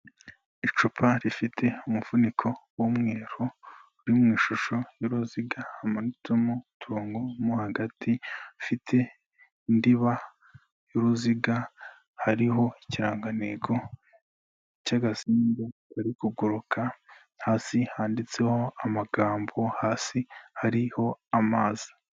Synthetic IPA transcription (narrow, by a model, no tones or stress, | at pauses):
it͡ʃupʰaɾifitʰe̞umuv̥unikʰo̞womŋe̞ːɾouɾimŋiːʃuʃo̞joɾuziɡahamanitumutʰuɾuːŋɡomuhaɡatʰifitʰe̞ | indiβa | joɾuziɡa | haɾiɦo̞iciɾaːŋɡaneɡo̞ | icaɡasiːnɡekaɾikuɡuɾukʰa | haːsihaːndit͡se̞ho̞amaɡaːmbo̞haːsihaɾiho̞amaːzi̥